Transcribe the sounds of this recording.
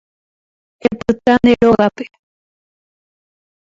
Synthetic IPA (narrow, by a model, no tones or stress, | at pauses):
epɨt̪aneɾoɣape̥